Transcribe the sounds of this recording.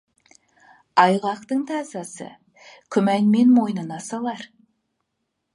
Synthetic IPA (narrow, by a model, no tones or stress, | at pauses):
ɑjʁɑqt̪əŋt̪ʰɑzɑsə̰ | kʲʰʏmæŋmenmojnɨnɑsɑlˠɑɾ